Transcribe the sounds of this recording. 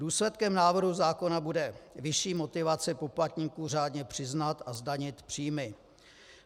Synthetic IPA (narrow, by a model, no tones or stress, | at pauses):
duːslɛt̪kɛmnaːvr̩ɦuzaːko̞nabudɛvɪʃiːmo̞t̪ɪvat͡sɪpo̞plat̪ɲiːkuːr̝aːdɲɛpr̝̥ɪznat̪ʔazdaɲɪt̪pr̝̥iːmɪ